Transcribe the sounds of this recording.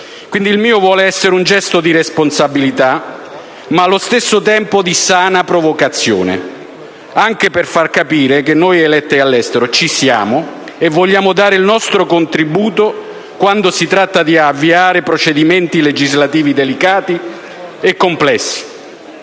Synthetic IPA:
kwind̪ilmiːovwɔːleɛsːeɾeund͡ʒɛst̪od̪iɾesponsabilit̪a | malːost̪esːʊt̪ɛmpʊd̪isaːnapɾovokat̪sːjo̰ːnḛ | aŋk̟eperfarkapiːɾekenːojelɛt̪ːɪalːɛst̪eɾot͡ʃisja̰ːmo | evːɔʎːaːmʊd̪aːɾɪilnɔst̪ɾokont̪ɾibuːt̪o | kwand̪osit̪ɾat̪ːad̪iavːiaːɾepɾot͡ʃed̪imɛnt̪iled͡ʒizlat̪iːvid̪elikaːt̪i | ekːomplɛsːi̥

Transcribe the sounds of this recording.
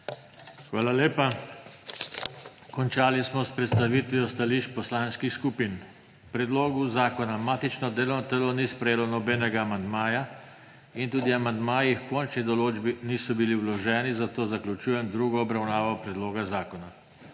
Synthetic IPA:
xʋaːlaleːpa | kɔnt͡ʃaːlismɔspɾɛt̪st̪aʋiːt̪ʋiɔst̪aliʃt͡ʃpɔslanskixskupin | pɾɛd̪loːɡuzaːkɔnamaːt̪it͡ʃnɔd̪eːlɔwnɔt̪ɛlɔniːspɾɛjeːlɔnɔbɛːnɛɡaːmand̪maːja | int̪uːd̪iamand̪maːjiixkɔnt͡ʃnid̪ɔloːd͡ʒbiniːsɔbiliwlɔʒɛːnizat̪oːzaklʲut͡ʃuːjɛmd̪ɾuːɡɔɔbɾawnaːʋɔpɾɛd̪loːɡazaːkɔna

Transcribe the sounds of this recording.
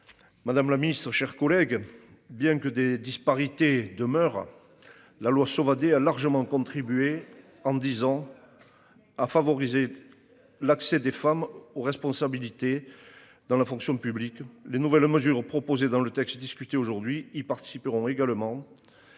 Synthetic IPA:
mad̪amlaminist̪χəʃɛʁkɔlɛɡ | bjɛ̃kəd̪ed̪ispaʁit̪ed̪əmœʁ | lalwasɔvad̪ealaʁʒəmɑ̃kɔ̃t̪χibye | ɑ̃d̪izɑ̃ | afavɔʁize | laksɛd̪efamoʁɛspɔ̃sabilit̪e | d̪ɑ̃lafɔ̃ŋksjɔ̃pybliklenuvɛlməzyʁpχɔpozed̪ɑ̃lət̪ɛkst̪d̪iskyt̪eoʒuʁd̪ɥiilpaʁt̪i̥sipəʁɔ̃eɡaləmɑ̃

